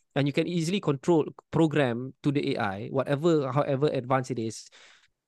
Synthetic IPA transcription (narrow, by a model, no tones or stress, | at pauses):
ɛ̃njukɛ̃nizəlikʰɔ̃ntʰɹolpɹoɡɾɛ̃mtudəʔeʔa̰jwɔtɛvəɦawʔɛvəʔɛdvãnsitɪs